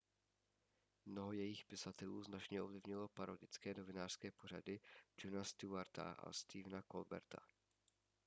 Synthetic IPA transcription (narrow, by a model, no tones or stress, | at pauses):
mnoɦo̞jɛjɪxpɪsat̪ɛluːznat͡ʃɲɛʔovlɪvɲɪlo̞paɾodɪt͡skɛːno̞vɪnaːr̥skɛːpo̞r̝a̰dɪd͡ʒonast̪ɪaɾt̪a̰ʔa̰st̪iːvnakolbɛ̰ɾt̪ʰa̰